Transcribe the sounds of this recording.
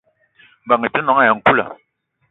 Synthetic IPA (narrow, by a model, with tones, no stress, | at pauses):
ŋ̩˨ba˨ŋe˨tu˦nɔ˨˦ŋa˦˨ja˨ŋ̩˨ku˦la̰˨